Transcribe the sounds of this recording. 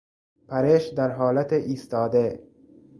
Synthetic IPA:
pʰæɾeʃd̪æɾɦɒːlæt̪ʰeʔiːst̪ɒːd̪e

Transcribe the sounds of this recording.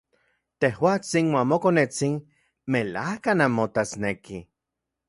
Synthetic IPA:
t̪ehwat͡sinmamokonet͡sin | melahkanamːot̪asneki

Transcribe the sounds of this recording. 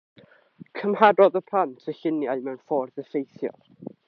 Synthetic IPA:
kʰəmhadɔðəpʰl̥ˠantʰəɬɪnjajmɛwnfɔrðəfejθjɔ̰r

